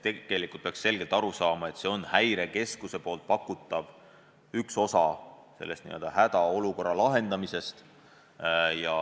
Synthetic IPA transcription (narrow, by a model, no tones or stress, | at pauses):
t̪ːeɡ̥e̞likːˑult̪̚peɑ̥ksse̞lɡ̥e̞lt̪ɑɾusɑːmɑe̞t̪se̞o̞nhæjɾe̞ke̞skuse̞po̞ːlt̪̚pɑkːˑut̪ˑːɑv | ykso̞sɑ | se̞̰lːest̪nḭø̞ld̪̥ɑhæt̪ɑo̞luko̞rːɑlɑɦe̞nd̪̥ɑmise̞st̪ | jɑ